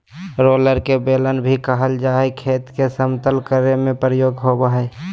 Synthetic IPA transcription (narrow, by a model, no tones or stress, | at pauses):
ɾoːləɾkebeːlənbʱikəɦəld͡ʒaːekʰeːt̪kesəmt̪əlkəɾemẽpɾəjoːɡɦobaɦɛ